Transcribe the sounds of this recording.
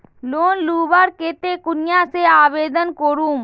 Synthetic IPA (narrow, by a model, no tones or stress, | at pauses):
loːnluːʋaːɾkeːt̪eːkʊnɪjãːseaːʋeːd̪ənkoɾũːm